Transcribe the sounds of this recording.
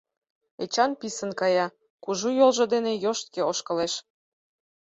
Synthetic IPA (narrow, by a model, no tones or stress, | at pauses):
et͡ɕɑnpisənkɑjɑ | kuʒujolʒɤ̆d̪enejoʃt̪̚keoʃkɤ̆leʃ